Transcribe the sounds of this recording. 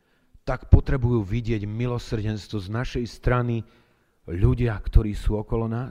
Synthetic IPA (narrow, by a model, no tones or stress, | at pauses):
t̪akpɔt̪ɾɛbujuːʋiɟɪɛɟmilɔsr̩ɟɛnst̪ʋɔznaʃɛjst̪ɾani | ʎuɟɪakt̪ʰɔɾiːsuːɔkɔlɔnaː